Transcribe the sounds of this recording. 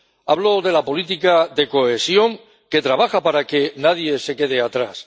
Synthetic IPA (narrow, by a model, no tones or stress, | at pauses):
aβ̞lo̞ðe̞lapo̞lit̪ikaðe̞ko̞e̞sjo̞ŋ | ke̞t̪ɾaβaxapaɾake̞naðje̞se̞ke̞ð̞e̞at̪ɾas